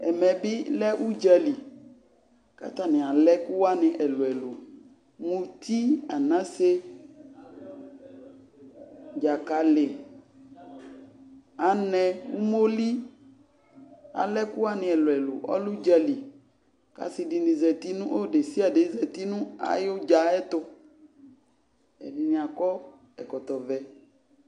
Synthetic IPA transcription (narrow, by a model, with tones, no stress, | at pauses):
ɛ˨mɛ˨bɪ˦lɛ˦ʔu˦d͡ʒa˨li˨ | ka̰˦t̪a˨nɪ̃˨a˨lɛ˦kʊ˦wa˦nɪ̃˨ʔɛ˨lo˨ɛ˨lo˨ | mũ˨t̪i˦a˨nã˦se˦ | d͡ʒa˨ka˨lɪ˨ | a˨nɛ̃˦wṵ˦mo˦li˦ | a̰˨lɛ˦kʊ˦a˨nɪ̃˨ɛ˨lʊ˨ɛ˨lʊ̰˨ʔɔ̰˦lu˦d͡ʒa˦li˨ | ka̰˨sɪ˨di˨nĩ˨zɛ˨t̪i˦nũ˦ʔo˦ɖe˨si˦a˨de˨˦zɛ˨t̪i˦nũ˦a̰˨jo˦d͡ʒa˨˦ɛ˦t̪ʊ˦ | ɛ̰˨nɪ˨nɪ̃˨a˨kɔ˦ | ɛ˨kɔ˨t̪ɔ˨vɛ˨